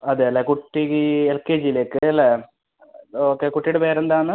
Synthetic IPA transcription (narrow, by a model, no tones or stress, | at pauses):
ɐðeɐlːekuʈːielkeːd͡ʑijile̞ːkːɨɐlːe | oːkːekuʈːijɽepeːɾend̪aːɳɨ